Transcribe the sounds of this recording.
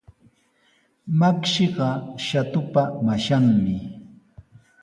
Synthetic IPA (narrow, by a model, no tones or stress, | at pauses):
makʃɪɢɑʃat̪ʊpamaʃaŋmɪ